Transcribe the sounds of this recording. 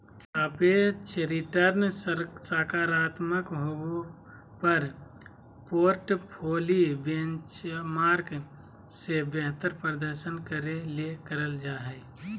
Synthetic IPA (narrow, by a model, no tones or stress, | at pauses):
əpet͡ʃɾɪʈəɾnssaːkaːɾaːt̪məkɦoɡu | pəɾ | poːɾʈpʰoːlibẽnt͡ʃmaːɾk | sebɛɦt̪əɾpɾəd̪əɾʃənkəɾelekəɾəld͡ʒaːɦɛː